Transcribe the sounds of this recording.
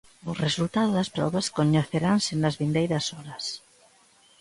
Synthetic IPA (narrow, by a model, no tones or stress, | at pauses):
ʊresult̪aðʊðɐspɾɔ̰βɐskoɲeθeɾansɪnɐzβind̪ejɾɐsɔɾɐs